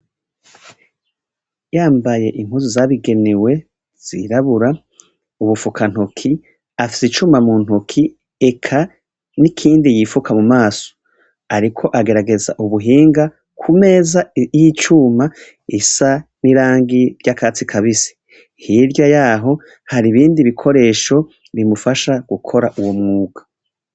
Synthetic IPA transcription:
jaːmbaje̞ʔiŋ̥huzuzaβiɡe̞niwe̞ | z̥ḭɾaβuɾa | uβufukan̥hukʰi | afi̥sit͡ʃumamuːn̥hukʰi | ekʰa | nikʰiːndijifukʰamumaːso̥ | aɾikʰo̞ʔaɡe̞ɾaɡe̞za̰ʔuβuɦiːŋɡa | kʰume̞ːzajit͡ʃuma | isaniɾaːŋɡiɾɟakaːt͡sikʰaβisi̥ | hiɾjajaːɦo̞ | haɾiβiːndiβikʰo̞ɾe̞ːʃo̞ | βimufaʃaɡ̥ukʰo̞ɾaʔuwo̞mŋuːɡ̥ḁ

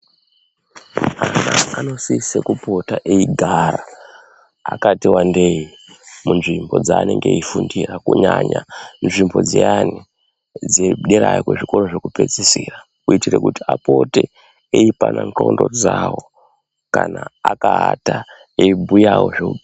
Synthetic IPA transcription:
anaːno̞sisekupo̞taʔeiɡʱaɾa | akatiwandeji | munʐimbo̞d͡zaːneŋɡeifundirakuɲaɲanʐimbo̞d͡ziani | d͡zeɗeɾajikwe̞ʐiko̞ro̞ʐekupe̞d͡zisiːra | kuitire̞kutiapo̞te | eipananto̞ndo̞d͡zawo | kanaakaɦata | eibʱujawo̞ʐeku

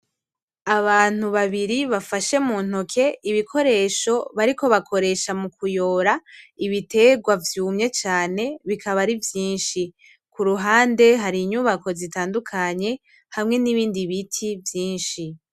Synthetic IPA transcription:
aβaːn̥uβaβiɾiβafaʃe̞muːn̥hokʰe̞iβikʰo̞ɾe̞ʃo̞βaɾiko̞βakʰo̞ɾe̞ʃamukʰujo̞ːɾaiβite̞ːɡwavjuːmɲe̞t͡ʃaːne̞βikʰaβaɾivjiːnʃi | kuɾuɦaːnde̞ɦaɾiɲuβako̞zitaːndukʰaɲe̞ | hamŋe̞niβiːndiβitʰivjiːnʃi

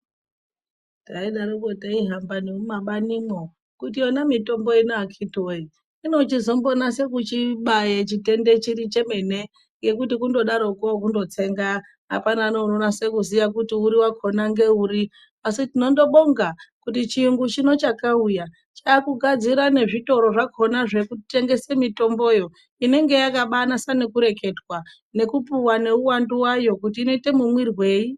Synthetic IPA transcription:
taiɗaɾokotaiɦambaniumaɓanimo | kutionamito̞mbo̞inoakʰitoi | ino̞t͡ʃizo̞mbo̞nase̞k̬ut͡ʃiɓajet͡ʃite̞nde̞t͡ʃiɾit͡ʃe̞me̞ne̞ | ŋɡe̞kutikundo̞ɗaɾo̞kok̬undo̞t͡se̞ŋɡa | ɦa̰panaːno̞nonase̞kuzijak̬utiuɾiwakʰo̞naŋɡe̞uːɾi | asitino̞ndo̞ɓo̞ŋɡakutit͡ʃiŋɡut͡ʃino̞t͡ʃakauja | t͡ʃaːkuɡʱad͡ziɾane̞ʐito̞ɾo̞ʐakʰo̞naʐe̞kute̞ŋɡe̞semito̞mbo̞jo̞ | ine̞ŋɡe̞jakaɓanasane̞kuɾe̞ke̞dwa | ne̞kupuwane̞uwanduwajo̞kutiːno̞ite̞mumwirwe̞ːi

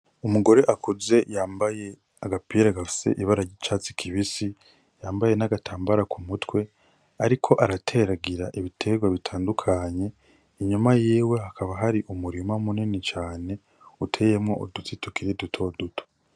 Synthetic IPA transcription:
umuɡo̞ɾe̞ʔakuze̞jaːmbaje̞ | aɡapiːɾaɡafi̥se̞̰ʔiβaɾaɾɟit͡ʃaːt͡si̥kʰiβisi | jaːmbaje̞naɡatʰaːmbaɾakʰumutwe̞ | aɾikʰo̞ʔaɾatʰe̞ɾaɡiɾaʔiβitʰe̞ɡwaβitʰaːndukʰaɲe̞ | iɲumajiːwe̞hakʰaβaɦaɾiʔumuɾimamuninit͡ʃaːne̞ | utʰejemŋoʔodut͡situkiɾidutʰo̞dutʰo̥

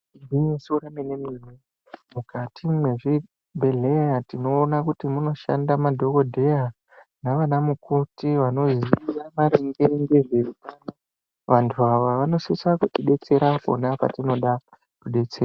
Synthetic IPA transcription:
ndiɲesoɾamenemimwe | mukatimwe̞ʐi | bʱe̞le̞jatino̞ːnakutimuno̞ʃa̰ndamadʱo̞ko̞dʱe̞ja | naʋanamukutiʋano̞ziʋamaɾeŋɡeŋɡeʐerukana | ʋantʰuaʋaʋano̞sisakuɗiɗe̞t͡se̞ɾako̞̰napa̰tino̞ɗa | kuɗe̞t͡seːɾa

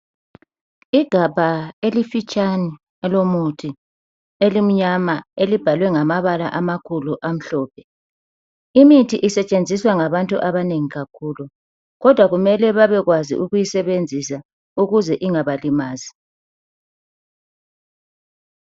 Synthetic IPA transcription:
iɡ̥ʱabʱaelifit͡ʃʼani | ɛlomutʰi | elim̩ɲamaelib̥ʱalwɛŋamaβala̰ʔamakʰuluʔam̩ɬɔːpʰɛ | imitʰiʔisɛt͡ʃʼend͡zʱiswaŋaβantʼuʔaβaneŋiɣakʰuːlu | ɣɔd̥ʱwaɣumɛlɛβaβɛɣwazḭʔuɣujisɛβend͡zʱisa | uɣuzɛʔiŋaβalimaːzi

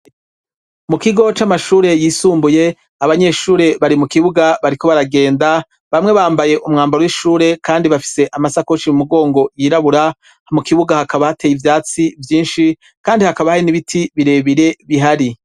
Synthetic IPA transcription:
mukiɡo̞t͡ʃamaʃuːɾe̞jiːsuːmbuje̞ | aβaɲe̞ʃuːɾe̞βaɾimukiβuɡaβaɾiko̞βaɾaɡe̞ːnda | βamŋe̞βaːmbaje̞ʔumŋaːmbaɾowiʃuːɾe̞kaːndiβafi̥se̞ʔamasakot͡ʃiumuɡo̞ːŋɡo̞jiːɾaβuɾa | hmukiβuɡahakaβahatejivjaːt͡sivjiːnʃi | kaːndihakaβahainiβitʰiβiɾe̞ːβiɾe̞βiɦaɾi

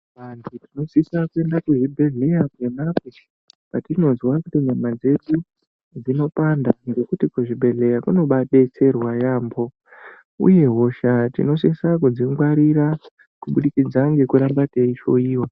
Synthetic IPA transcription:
ʋantʰutino̞sisakue̞ndakuʐibʱe̞ɮe̞jake̞makwe | patino̞zwakutiɲamad͡ze̞ɗu | d͡zino̞pandanɡekutikuʐibʱe̞ɮe̞jakuno̞ɓaɗe̞t͡se̞rwajaːmbo̞ | ṵje̞ɦo̞ʃatḭno̞sisakud͡ziŋɡwaɾiɾa | kuɓuɗikid͡zaŋɡe̞kuɾambateiʃo̞iːwa

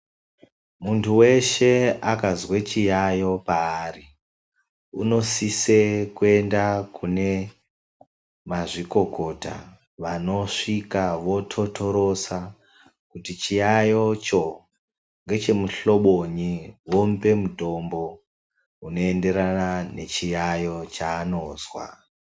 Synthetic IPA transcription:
muntʰuwe̞ʃe̞akazwet͡ʃijajo̞paːri | uno̞sisekue̞ndakune̞ | maʐiko̞ko̞ta̰ | ʋano̞ʂikaʋo̞tʰotʰo̞ɾo̞sa | kutit͡ʃijajo̞t͡ʃo̞ | ŋɡe̞t͡ʃe̞muɬo̞ɓoɲiʋo̞mbe̞muto̞mbo̞ | uno̞e̞nde̞ɾanane̞̰t͡ʃijajo̞t͡ʃaːnoːzwa̰

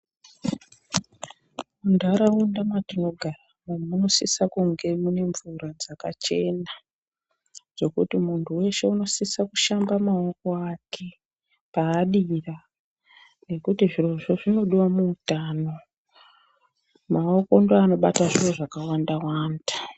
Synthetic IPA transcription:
undaɾaundamatino̞ɡʱaramamuno̞sisakuŋɡe̞mune̞ɱvuɾad͡zaka̰t͡ʃe̞na | d͡zo̞kutimuntʰuwe̞ʃe̞uno̞sisakuʃambamao̞ko̞ake̞ | paːɗira | ne̞kutiʐiroʐoʐino̞ɗiwamuutaːno̞ | mao̞ko̞ndoano̞ɓataʐiroʐakawandawaːnda

